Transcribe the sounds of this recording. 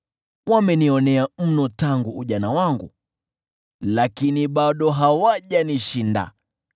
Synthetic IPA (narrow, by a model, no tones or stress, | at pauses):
wamɛniɔnɛam̩nɔtaŋɡuːʄanawaŋɡṵ | lakiniɓaɗɔɦawaʄaniʃinda̰